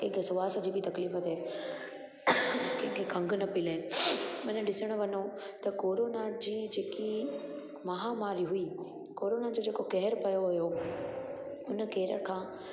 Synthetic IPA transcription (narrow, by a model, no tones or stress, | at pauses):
ɪ̃ksʊʋaːsd͡ʑiːbɪt̪ɐkliːfət̪ɦɛː | kẽkʰekʰɐ̃ŋɡnɐpɪleːmɐnəɗɪsəɽ̃əʋɐno | t̪ɐkoːɾoːnad͡ʑiːd͡ʑeːki | mɐɦamaːɾiɦuiː | koːɾoːnad͡ʑoːd͡ʑeːkokɛɦɪɾpɐjoɦʊjo | ʊn̆keːɾə̰ɽkʰãː